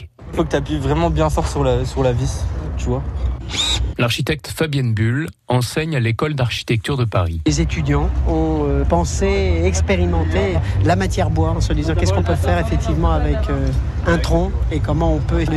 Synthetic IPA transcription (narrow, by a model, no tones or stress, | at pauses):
ifokət̪yaplivʁɛmɑ̃bjɛ̃fɔʁsyʁlasyʁlavit̪yvwa | laʁʃit̪ɛk̚t̪fabjɛnbyl | ɑ̃sɛɲalekɔld̪aʁʃi̥t̪ɛk̚t̪yʁd̪əpaʁiezet̪yd̪jɑ̃ɔ̃øpɑ̃seɛkspeʁimɑ̃t̪elamat̪jɛʁbwaʁɑ̃səd̪izɑ̃kʲɛskɔ̃pøfɛʁefɛk̚t̪ivmɑ̃avɛkø | ɛ̃t̪χɔ̃ekɔmɑ̃ɔ̃pø